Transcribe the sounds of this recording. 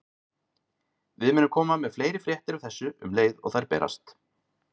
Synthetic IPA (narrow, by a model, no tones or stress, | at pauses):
vɪðmɪnʏmkʰɔːmamɛðfleːjɾɪfɾjɛht̪ɪɾʏθɛsːʏʏmleːjðɔ̰ɣθajɾpɛ̰ːɾa̰st̪